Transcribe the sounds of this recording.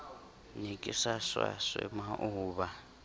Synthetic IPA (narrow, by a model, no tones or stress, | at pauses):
nikʼisaʂwa̰ʂɛmaʔuːβa